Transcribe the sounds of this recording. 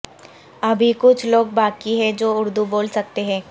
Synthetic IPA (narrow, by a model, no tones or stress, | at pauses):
ɐbʱikʊt͡ʃʰloːɡ̚baːkiɦɛ̃d͡ʒoːʊɾd̪uboːlsɐk̚t̪eɦɛ̃ː